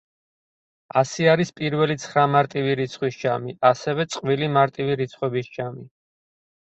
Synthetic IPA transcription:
asiaɾispʼiɾvɛlit̪sʰχɾamaɾt̪ʼiviɾit̪sʰχwisd͡ʒamiasɛvɛt̪sʼqʼvilimaɾt̪ʼiviɾit̪sʰχwɛbisd͡ʒami

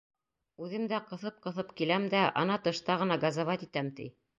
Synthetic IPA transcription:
ʉðɘmd̪æqɤ̆θɤp̚qɤ̆θɤpkilæmd̪æʔɑ̰nɑt̪ɤ̆ʃt̪ɑʁɤ̆nɑɡɑzɑvɑt̪it̪æmt̪ḭ

